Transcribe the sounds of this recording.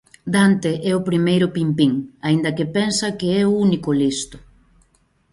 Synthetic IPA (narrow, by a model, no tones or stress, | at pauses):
d̪ant̪eʔɛʊpɾimejɾʊpimpiŋaind̪ɐkɪpɛnsɐkɪɛʊunikʊlist̪ʊ̥